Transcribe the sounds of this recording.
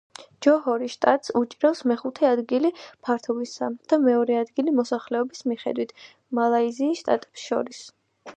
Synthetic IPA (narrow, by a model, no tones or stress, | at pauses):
d͡ʒɔhɔɾiʃt̪ʼat̪ʼsut͡ʃʼɾɛfsmɛχut̪ʰɛad̪ɡilipʰaɾt̪ʰɔbisa̰d̪̥amɛɔɾɛad̪ɡilimɔsaχlɛɔbismiχɛ̰d̪wit̪ʰ | malˠaiziːsʃt̪ʼa̰t̪ʼɛ̥psʃɔ̰ɾis